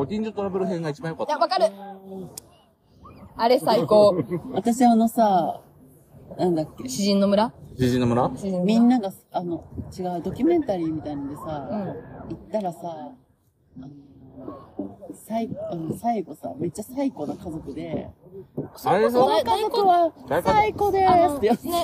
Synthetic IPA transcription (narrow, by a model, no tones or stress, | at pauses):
okʲĩɲd͡ʑot̪oɾabe̞ɾɯ̟ɦẽ̞ŋɡait͡ɕibãjokat̪aβakaɾɯ | aɾesaikoβat̪aɕiβaːno̞sa | nãnd̪akʲːe̞ɕiʑĩnːo̞mɯ̟ɾaɕiʑĩnːomɯ̟ɾaĩmʲĩnːaɡaano̞t͡ɕiɡaɯ̟d̪o̞kʲɨmẽ̞nt̪aɾʲiːmʲit̪ainod̪e̞sã | it̪ːaɾasaː | no̞ | saianosaiɡo̞sa̰me̞t͡ɕːasaiko̞nakazo̞kɯ̟d̪e̞ | soonokazo̞kkɯ̟βasaiko̞d̪e̞t̪ːejo